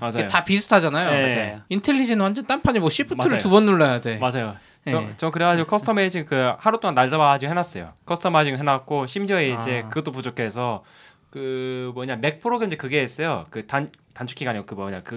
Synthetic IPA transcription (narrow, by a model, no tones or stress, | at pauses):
mad͡ʑakjotapisʰu̥tʰad͡ʑanajoeaintʰeʎːid͡ʑinɯwand͡ʑʌnt͈ampʰaɲimwʌɕʰipʰɯaɯɾtubʌnːuɭːajade̞mad͡ʑajo | ʌt͡ɕʌkɯɾekʰad͡ʑiɡokʰʌsʰtʰʌmed͡ʑiŋkɯhaɾot͈oŋanːaɭd͡ʑabaad͡ʑiɡoɦenas͈ʌjo̰kʰʌsʰɯ̥tʰʌmad͡ʑiŋɯɭɦenak̚k͈oɕʰimd͡ʑʌeid͡ʑe̞kɯɡʌt͈op̬ud͡ʑokʰe̞s̬ʰʌ | kɯmʌɲame̞k̚pʰɯɾoɡɾemid͡ʑekɯɡeːs͈ʌjokɯtantant͡ɕʰu̥kʰiɡaɲiɡokɯmʌɲa̰kɯ